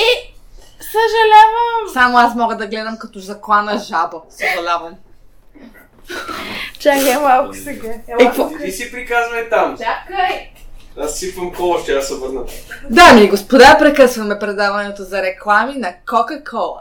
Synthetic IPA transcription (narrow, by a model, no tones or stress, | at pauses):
ɛ | səʒɐlʲavəmsamoasmɔɡəd̪ɐɡlɛd̪əmkɐt̪ɔzɐklˠanɐʒabosəʒɐlʲavɐm | t͡ʃakɛmalˠkʊ̥sɛɡaɛɔisipɾikazvɐɛt̪amak | asːipɐmkɔlˠoʃt̪asɛobəɾnət̪d̪amiɛɡospod̪apɾɛkɤsvɐmɛpɾɛd̪avɐnɛt̪ozɐɾɛklˠaminɐkɔkɐkʰɔlˠ